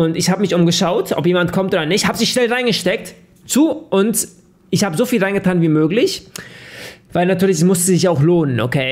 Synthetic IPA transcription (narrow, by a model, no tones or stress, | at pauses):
ʊntɪçhaːbəmɪçʔʊmɡəʃaʊtʰʔɔpjeːmantkʰɔmtʔoːdɐnɪçthaːbəzɪçʃnɛlʁaɪnɡəʃtɛk̚t | t͡suːʔʊnt | ʔɪçhaːbəzoːfiːlʁaɪŋɡətʰaːnviːmøːklɪç | vaɪlnatʰyːɐlɪçɛsmʊstəzɪçaʊxloːnənʔo̰kʰeː